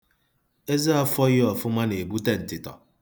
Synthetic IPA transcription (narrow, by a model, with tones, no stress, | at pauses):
e˦zi˦ɔ˦fɔ˦jɪ˦ɔ˨fʊ˦ma˦n˨e˨bu˦te˦n̩˨tɪ˨tɔ̰˨